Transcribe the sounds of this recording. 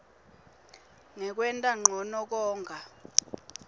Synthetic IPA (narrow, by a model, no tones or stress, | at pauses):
ŋɛk̬wɛntʼaŋ͡ǃʱɔnɔk̬ɔːŋɡʱa